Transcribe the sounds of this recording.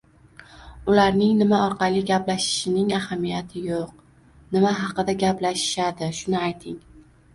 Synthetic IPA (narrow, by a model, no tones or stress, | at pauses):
ʊlaɾnɪŋnɪmaɒɾqʰɑlˠiɡʲaplaʃɪ̥ʃɪnɪŋahamijat̪ʰɪjoq̚ | nɪmaɦɑqɨd̪aɡʲaplaʃɪ̥ʃad̪ɪʃʊnɪajt̪ʰɪŋ